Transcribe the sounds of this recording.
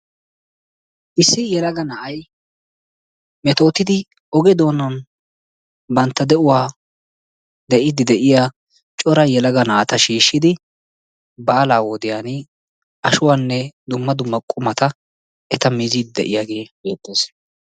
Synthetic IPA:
ʔɪsːɪjɛlɐɡɐnɐʔɐj | mɛt̪o̞ːt̪ɪd̪ɪ | ɔɡɛd̪o̞ːnɐn | bɐnt̪ːɐd̪ɛʔʊwaː | d̪ɛʔɪd̪ɪd̪ɛʔɪjaː | t͡ʃʼɔɾɐjɛlɐɡɐnaːt̪ɐʃiːʃːɪd̪ɪ | baːlaːwɔd̪ɪjaːnɪ | ʔɐʃʊwaːnːɛd̪ʊmːɐd̪ʊmːɐkʼʊmɐt̪ɐ | ɛt̪ɐmizid̪ɪd̪ɛ̰ʔɪjaːɡe̞ːbe̞ːt̪ːe̞ːs

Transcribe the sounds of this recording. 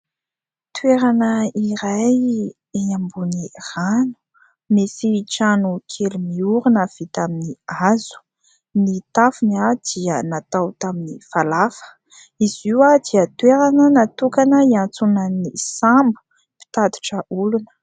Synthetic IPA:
t̪weɾanəiɾaj | eɲambuniranu̥ | mesiʈ͡ʂanukʰelumiuɾunav̥it̪aminiazu̥ | nit̪afinad̪̥iənat̪awt̪aminifalafə̥ | iziwad̪iət̪weɾanənat̪ukanəiant͡sunanisambu̥ | pi̥t̪ad̪i̥ʈ͡ʂəʔulunə̥

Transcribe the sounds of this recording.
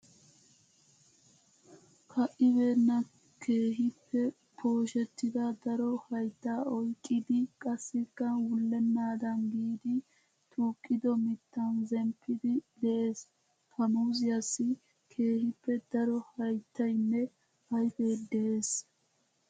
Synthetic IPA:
kʰɐʔɪbe̞ːnːɐ | kʰe̞ːɦɪpːɛ | pʰo̞ːʃɛt̪ːɪd̪ɐd̪ɐɾɔhɐjt̪ːaːɔjkʼːɪd̪ɪkʼɐsːɪkːɐwʊlːɛnːaːd̪ɐnɡiːd̪ɪ | t̪ʰʼuːkʼːɪd̪ɔmɪt̪ːɐnzɛmpʰːɪd̪ɪd̪ɛʔe̞ːs | kʰɐmuːzɪjɐsːɪ | kʰe̞ːhɪpːɛd̪̥ɐɾɔhɐjt̪ːɐjnːɛ | ɐjfe̞ːd̪ɛeːs

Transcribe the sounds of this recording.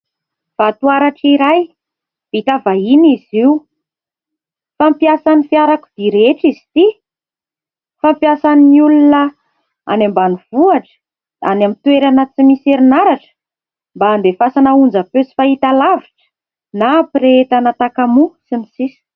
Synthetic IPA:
fat̪uaɾaʈ͡ʂiɾaj | v̥it̪avainiziu | fampiasanifiaɾakuv̥iɾeʈ͡ʂizi̥t̪i | fampjasaniːiulunə | a̰nembaniv̥uaʈ͡ʂə̥ | d̪̥anamint̪weɾanət͡simiseɾinaɾaʈ͡ʂə̥ | mbaːnd̪efasanaund͡zapøsi̥fait̪alaviʈ͡ʂə̥ | napɾeet̪anat̪akamusinisisi̥

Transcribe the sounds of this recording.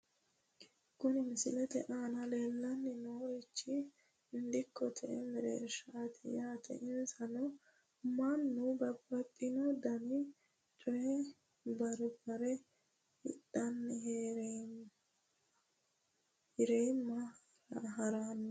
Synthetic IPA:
kʊnɪmɪsɪlɛt̪ɛ̰ʔaːnɐleːlːɐnːɪnoːɾɪt͡ʃːɪ | ɪnd̪ɪkːɔt̪ʰɛ̰ʔɛ̰mɛɾḛːʃaːt̪ʰɪjaːt̪ʰɛ̰ʔɪnsɐnɔ | mɐnːubɐbːɐt̪ʼːɪnɔd̪ɐnɪ | t͡ʃʼʊjɛ | bɐɾbɐɾɛ | ɪ̰tːɐnːɪheɾ | ɪɾɛjmːɐ | ɦɐɾanː

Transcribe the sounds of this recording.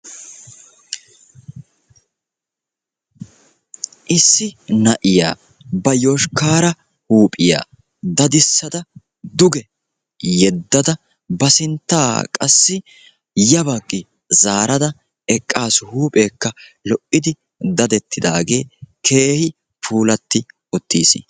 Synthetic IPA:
ʔɪsːɪnɐʔɪja̰ː | bɐjoːʃkaːɾɐ | huːpʼɪja̰ː | d̪ɐd̪ɪsːɐd̪ɐ | d̪ʊɡɛ | jɛd̪ːɐd̪ɐ | bɐsɪnt̪ːaːkʼɐ̰sːɪ | jɐbɐkʼːɪ | zaːɾɐd̪ɐ | ɛkʼːaːshuːpʼe̞ːkːɐlɔʔɪd̪ɪ | d̪ɐd̪ɛt̪ːɪd̪aːɡe̞̰ːkʰe̞ːhɪ | pʰuːlɐt̪ːɪ | ʊt̪ːiːs

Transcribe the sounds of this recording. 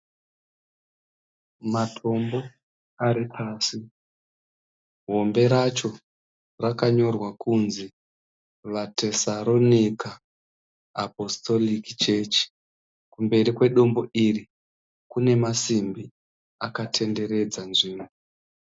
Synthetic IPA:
matʰo̞mbo̞ | aɾipʰaːsi | ɦo̞mbe̞ɾat͡ʃo̞ | rakaɲo̞rwakʰunzi | ʋate̞saɾo̞nikaː | po̞sto̞likit͡ʃe̞t͡ʃi̥ | kumbe̞rikwe̞ɗo̞mbo̞ʔiri | kune̞masimbi | akatʰe̞nde̞ɾe̞d͡zanʐiːmo

